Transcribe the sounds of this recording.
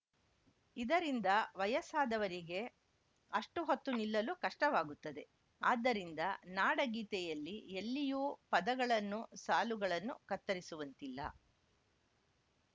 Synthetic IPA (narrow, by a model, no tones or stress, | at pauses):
id̪ɐɾind̪ɐʋɐjɐsaːd̪ɐʋɐɾiɡe̞ | ɐʂʈuɦot̪ːunilːɐluːkɐʂʈɐʋaːɡut̪ːɐd̪e̞ | aːd̪ːɐɾind̪ɐnaːɽɐɡiːt̪ɛjɐlːielːijuːpɐd̪ɐɡɐɭɐnːusaːluɡɐɭɐnːukɐt̪ːɐɾisuʋɐnt̪ilːɐ̰